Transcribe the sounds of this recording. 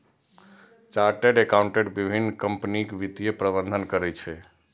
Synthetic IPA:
t͡ʃaɾʈeɖekawɳʈeɖbibʱinkəmpnikʋit̪ijepɾəbənd̪ʱənkəɾɛt͡ʃʰɛ

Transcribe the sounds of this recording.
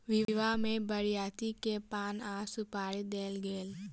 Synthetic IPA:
ʋɪʋamẽbəɾɪjaːt̪ikepaːnaːsʊpaːɾid̪eːlɡeːl

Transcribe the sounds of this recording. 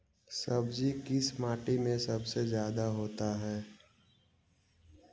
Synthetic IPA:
sɐbd͡ʒikɪsmaːʈimẽsɐbsezjaːd̪aɦoːt̪aɦɛː

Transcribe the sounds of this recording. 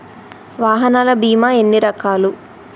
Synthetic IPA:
ʋaːɦɐnaːlɐbiːmae̞nːiɾɐkaːlu

